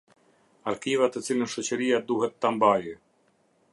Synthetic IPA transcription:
aɾkivat̪ət̪silʲinʃɔt͡ɕɛɾijad̪uɦɛt̪ːambaji

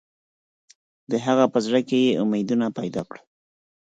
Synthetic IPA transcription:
d̪əɦaɣapəzɽakejeʔʊmed̪unapajd̪ɑ̰ːkɽə

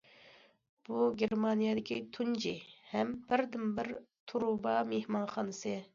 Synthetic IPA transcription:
b̥uɡʲeɾmɑnijɑd̪ɪkʲʰit̪ʰund͡ʒihɛmbɪɾd̪ɪmbɪɾt̪ʰuɾubɑmehmɑnχɑnɨsɨ

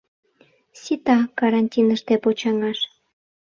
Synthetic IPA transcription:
sʲit̪ɑkɑɾɑnʲtʲinəʃt̪epot͡ɕɑŋɑʃ

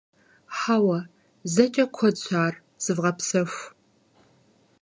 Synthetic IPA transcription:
ħaːwɐ | zɐt͡ʃʼɐkʷʰɔt͡ɕʷʼʰaːr | z̥ɨvʁɐpsɐxʷ

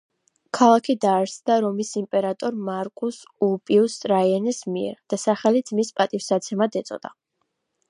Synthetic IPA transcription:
kʰalˠakʰid̪aːɾsd̪aɾɔmisimpʼɛɾat̪ʼɔɾmaɾkʼusulˠpʼiust̪ʼɾaiɛnɛsmiɛ̰ɾd̪̥asaχɛlid̪z̥mispʼat̪ʼifsat̪sʰɛmad̪ɛt̪sʼɔ̰d̪a̰

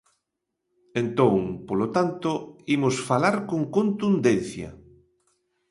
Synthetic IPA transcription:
ent̪õŋpolot̪ant̪ʊimosfalaɾkoŋkont̪und̪en̟θjɐ̰

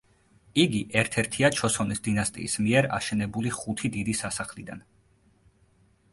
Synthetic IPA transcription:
iɡiʔɛɾt̪ʰɛɾt̪ʰiat͡ʃʰɔsɔnisd̪inast̪ʼḭːsmiɛɾa̰ʃɛnɛbuliχut̪ʰid̪id̪isasaχlid̪a̰n

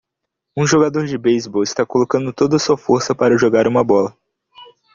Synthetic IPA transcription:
ũʒoɡad̪oɾd͡ʒɪbejzbɔwɪst̪akolokɐ̃nd̪ʊt̪od̪ɐsuɐfoɾsɐpaɾɐʒoɡaɾũmɐbɔlɐ

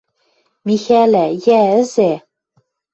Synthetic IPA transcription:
mixælæjæɘ̆zæ

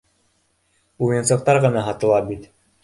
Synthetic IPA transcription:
ujɤ̆nsɤ̆q̚t̪ɑɾʁɤ̆nɑɦɑt̪ɤ̆lˠɑbit̪

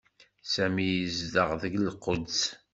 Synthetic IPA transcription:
sæmijəzd̪əʁðəɡlqod̪s

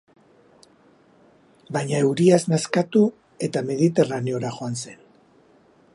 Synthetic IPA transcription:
bajɲaewɾiaznaskat̪u | e̞t̪ame̞ðit̪e̞rane̞o̞ɾaʝo̞anse̞n

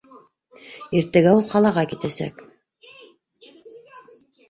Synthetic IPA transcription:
iɾt̪æɡæulˠqɑlˠɑʁɑkit̪æsæ̰k

